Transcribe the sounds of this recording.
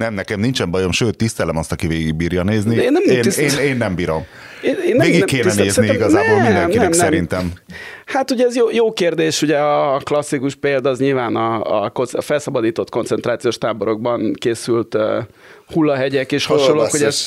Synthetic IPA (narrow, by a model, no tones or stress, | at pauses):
nɛmnɛkɛmnint͡ʃɛmbɒjo̞mʃøːt̪ːist̪ɛlɛmɒst̪ɒkiveːɡiɡ̚biːɾjɒneːznieːnːɛmnːieːneːnːɛmbiːɾo̞m | eeːnveːɡiɛkːeːnɛneːzsniɛiɡɒzaːboːlind̪ɛŋkːiɛmsnɛɾint̪ɛm | hat̪uɟɛɛzjoːjoːkeːrd̪eːʃuɟɛɒklɒsːikuʃpeːld̪ɒzɲilvaːnɒːkonsfɛlsɒbɒd̪iːt̪o̞t̪ko̞nt̪sɛnt̪raːt̪sijoːʃt̪aːbo̞ɾo̞ɡ̚bɒnkeːsylt̪ː | hulːɒɦɛɟɛkeːʃhɒʃonlːoːkho̞ɟɛz